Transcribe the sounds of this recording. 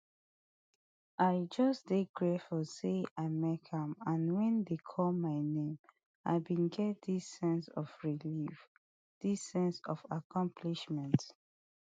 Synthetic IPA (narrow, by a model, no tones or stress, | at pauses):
aɪd͡ʒɔsdeɡɹefɔseaɪmɛkʰãmãnwɛ̃ndekʰɔlmaɪnẽm | a̰ɪbĩnɡɛt̚disːɛ̃nsɔfɹilif | d̥isːɛ̃nsɔfakʰɔ̃mpʰliʃmɛ̃nt